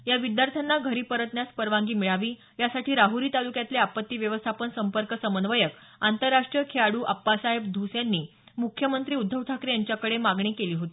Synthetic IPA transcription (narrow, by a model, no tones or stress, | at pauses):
jaʋid̪jaɾt̪ʰanːaɡʱəɾiːpəɾət̪njaspəɾʋãŋɡiːmiɭaʋiː | jasaʈiːɾaɦuɾiːt̪alukjat̪leapət̪ːiːʋjəʋəst̪ʰapənsəmpəɾkəsəmənʋəjək | ant̪əɾːaʂʈɾijəkʰeaɽuːʔapːasaɦebd̪ʱusjanːiː | mukʰːjəmənt̪ɾiːud̪ʱːəʋt̪ːakɾejaɲt͡ɕjakəɽemaɡɳikeliːɦot̪i